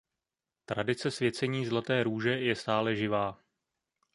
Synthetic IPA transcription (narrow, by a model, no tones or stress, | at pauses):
t̪ɾadɪt͡sɛsvjɛt͡sɛɲiːzlat̪ɛːɾuːʒɛjɛst̪aːlɛʒɪvaː